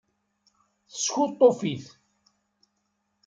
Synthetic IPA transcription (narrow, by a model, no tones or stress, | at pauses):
θə̥sçut̪ˤːofiθ